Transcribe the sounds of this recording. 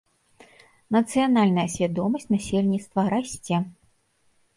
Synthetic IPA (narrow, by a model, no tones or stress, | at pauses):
nɐt̪sɨjanalʲnɐjɐsʲvʲad̪ɔmɐsʲt͡sʲnasʲelʲnʲit̪st̪vɐɾasʲt͡sʲɛ